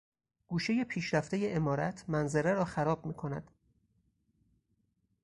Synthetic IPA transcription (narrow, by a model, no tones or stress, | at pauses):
ɡ̥uːʃe̞je̞pʰiːʃɾæft̪e̞je̞ʔemɒːɾæt̪ʰmænzeɾeɾɒːxæɾɒːbmiːkʰo̞næ̰d̪̥